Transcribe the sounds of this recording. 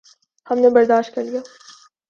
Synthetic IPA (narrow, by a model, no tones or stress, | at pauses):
hɐmnebɐɾd̪aːʃt̪̚kɐlijaː